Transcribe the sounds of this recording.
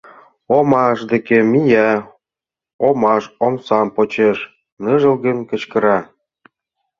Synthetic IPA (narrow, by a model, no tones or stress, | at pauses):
omɑʃd̪ĕkemijæ | omɑʃomsɑmpot͡ɕeʃ | nɤʒə̆lɣə̆nkə̆t͡ɕkə̆ɾɑ